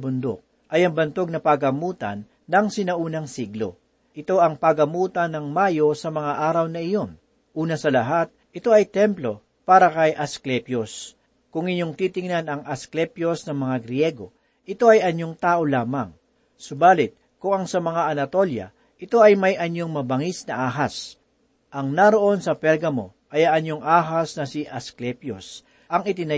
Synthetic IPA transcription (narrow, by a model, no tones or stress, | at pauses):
bʊnd̪o̰k̚ | ʔɐjɐŋbɐnt̪o̞ɡ̚nɐpɐɡɐmuːt̪ɐ̰nːɐŋsɪnɐʔuːnɐŋsiɡlo̞̰ | ʔɪt̪o̞ʔɐŋpɐɡɐmuːt̪ɐnːɐŋmaːjo̞sɐmɐŋaʔaːɾɐwnɐʔɪjo̞n | ʔuːnɐsɐlɐɦat̪̚ʔɪt̪o̞ʔɐjt̪ɛmplo̞ | paːɾɐkɐjʔɐsklɛpjos | kʊŋɪɲoŋt̪iːt̪ɪŋnanɐŋʔɐsklɛpjo̞snɐŋmɐŋaɡɾjɛɡo̞ | ʔɪt̪o̞ʔɐjɐɲjo̞ŋt̪aːʔo̞laːmɐŋ | sʊbaːlɪt̪̚ | kʊŋɐŋsɐmɐŋaʔɐnɐt̪o̞ljɐ̰ | ʔɪt̪o̞ʔɐjmɐjʔɐɲoŋmɐbɐŋisnɐʔaːɦɐs | ʔɐŋnaɾo̞ʔo̞nsɐpɛlɡɐmo̞̰ | ʔɐjɐŋʔɐɲjoŋaːɦɐsnɐsiʔɐsklɛpjo̰s | ʔɐŋɪt̪ɪnɐ